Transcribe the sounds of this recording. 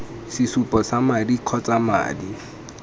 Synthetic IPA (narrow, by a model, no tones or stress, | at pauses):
sɪsupɔsamadiq͡χʰɔt͡sama̰ːdi